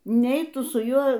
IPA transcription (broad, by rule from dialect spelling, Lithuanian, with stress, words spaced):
ˈnʲɛɪ ˈtʊ sʊ ˈjuɔ